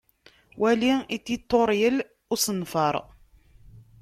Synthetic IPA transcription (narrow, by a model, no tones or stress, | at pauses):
wʔæliit̪ːit̪ˤːoɾˤjəl | ʊsənfəɾˤ